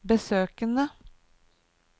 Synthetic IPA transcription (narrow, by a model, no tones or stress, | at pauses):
bəsøːkənə